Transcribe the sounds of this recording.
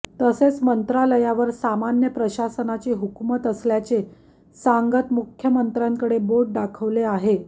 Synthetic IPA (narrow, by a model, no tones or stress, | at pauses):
t̪əset͡smənt̪ɾaləjaʋəɾsamanjəpɾəɕasənat͡ɕeɦukmət̪əsljat͡se | saŋɡət̪mukʰjəmənt̪ɾjaŋkəɽeboʈ̚ɖakʰəʋleaɦe